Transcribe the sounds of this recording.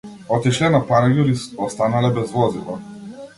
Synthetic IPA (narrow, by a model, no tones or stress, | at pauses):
ɔt̪iʃlɛnapaɾajuɾiɔst̪analɛbɛzvɔzilˠa̰